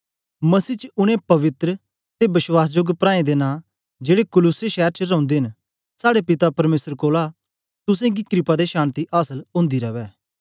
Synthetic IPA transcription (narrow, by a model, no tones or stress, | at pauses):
mɐsiːt͡ʃəʊɽ̃ẽpɐʋɪt̪ɾə | t̪ebɪswaːs̬d͡ʒʊɡpɾãːẽd̪eːnãː | d͡ʒeːɽekʊlʊseʃɛːɾt͡ʃəɾɐ̃ʊ̃nd̪eɦɪ̃n | saːɽepɪt̪apɐɾmeːsəɾkoːla | t̪ʊsẽɡikɾɪpad̪eʃaːnt̪iʔaːsəlõːnd̪iɾɐʋɛː